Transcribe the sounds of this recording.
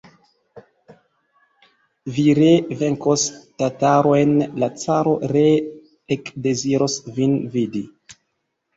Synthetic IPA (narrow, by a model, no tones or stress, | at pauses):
viɾeveŋkostataɾoenlat͡saɾo̞ɾeː | kde̞ziɾosvinvidi